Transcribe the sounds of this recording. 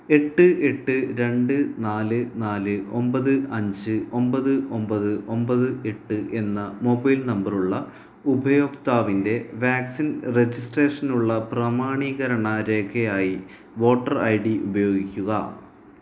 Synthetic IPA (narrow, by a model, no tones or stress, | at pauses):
e̞ʈːɨe̞ʈːɨɾe̞ɳɖɨnaːlɨnaːlɨo̞mbɐðɨɐɲd͡ʑɨo̞mbɐðɨʔo̞mbɐðɨʔo̞mbɐðɨe̞ʈːɨʔe̞nːɐmo̞bɐjlnɐmbɐruɭːɐ | ubʱɐjo̞ːkt̪aːʋinde̞ʋaːksinre̞d͡ʑisʈreːʂɐnuɭːɐprɐmaːɳiːɣɐɾɐɳɐɾe̞ːkʰɐjaːji | ʋo̞ːʈːɐrɐ̰jɽiubɐjo̞ːɡikʲːuɣɐ̰